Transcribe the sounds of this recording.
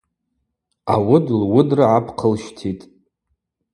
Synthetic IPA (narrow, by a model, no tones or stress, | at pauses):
a̰wʊdlwʊdraʕapʰqʰəlʃtʰitʼ